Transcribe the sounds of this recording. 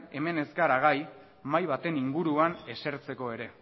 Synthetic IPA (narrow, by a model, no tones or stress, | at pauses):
e̞me̞ne̞skaɾaɣ̞aj | majβ̞at̪e̞niŋɡuɾuane̞se̞ɾt͡se̞ko̞e̞ɾe̞